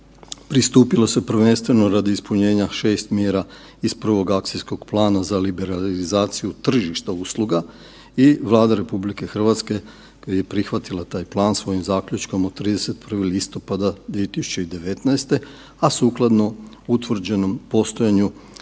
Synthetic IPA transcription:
pɾist̪uːpilˠose̞pr̩ʋe̞nst̪ʋe̞no̞ɾad̪iispuɲe̞ːɲaʃe̞ːst̪mjeɾa | ispr̩ʋo̞ɡak̚t̪sijsko̞ɡplˠaːnazalibe̞ɾalizaːt̪sijut̪r̩ʒiʃt̪auslˠuɡa | iʋlˠaːd̪aɾe̞publike̞xr̩ʋat̪ske̞ | kojijepɾixʋat̪ilˠat̪aːjplˠaːnsʋo̞jimzaːkʎut͡ʃko̞mod̪t̪ɾiːd̪ese̞t̪̚pr̩ʋilist̪o̞pad̪ad̪ʋie̞t̪isu̥t͡ɕe̞id̪e̞ʋe̞t̪naest̪e̞ | asuːklˠad̪no̞ | ut̪ʋr̩d͡ʑe̞no̞mpo̞st̪o̞jaɲu

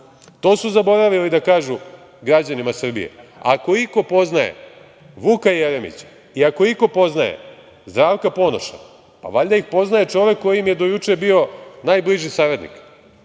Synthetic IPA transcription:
t̪o̞ːsuzabo̞ɾaʋilid̪akaːʒu | ɡɾad͡ʑanimasr̩bḭjḛa̰ko̞iko̞po̞znajḛ | ʋukajeɾemḭt͡ɕ | iako̞iko̞po̞znajḛ | zd̪ɾaːʋkapo̞noʃna̰ | pa̰ʋaʎd̪aixpo̞znaje̞t͡ʃo̞ʋe̞kːo̞jimjed̪o̞jut͡ʂe̞bio̞naːjbliʒisaːɾed̪nḭk

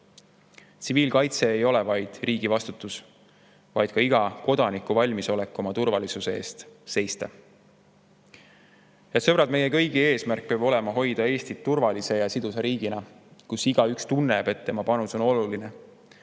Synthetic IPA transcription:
t̪siviːlkɑjt̪se̞ːjo̞lɛvɑjd̪̥riːɡ̥ivɑst̪ut̪ːˑus | vɑjd̪̥kɑiɡ̥ɑko̞d̪̥ɑnikːˑuvɑlʲmiso̞le̞kːˑo̞mɑt̪urvɑlisusee̞ːst̪se̞jst̪ɑ | jɑsɤb̥ɾɑt̪me̞je̞kɤ̞jɡ̥ie̞ːsmærk̚peːb̥o̞le̞mɑɦo̞jd̪ɑe̞ːsʲt̪it̪ːurvɑlise̞jɑsid̪useɾiːɡ̥inɑkusiɡ̥ɑykst̪unːe̞b̥e̞t̪ːe̞mɑpɑnuso̞no̞luline

